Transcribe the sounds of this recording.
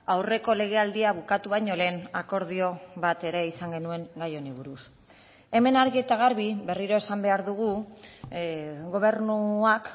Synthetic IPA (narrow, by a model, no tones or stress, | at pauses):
awre̞ko̞le̞ɣ̞e̞ald̪iaβukat̪uβ̞ajɲo̞le̞ːnako̞ɾð̞io̞βat̪e̞ɾe̞isaŋɡe̞nue̞ŋɡajo̞niβuɾus | e̞me̞naɾɣie̞t̪aɣ̞aɾβiβe̞riɾo̞esambe̞aɾðuɣ̞u | ɣo̞β̞e̞ɾnuak